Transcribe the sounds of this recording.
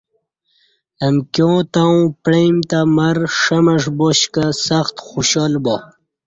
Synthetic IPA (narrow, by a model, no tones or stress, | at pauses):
ɐmkjoːt̪aw̃pɽemt̪amaɾʂɐmɐʂboɕkasaxt̪xuɕoːlbo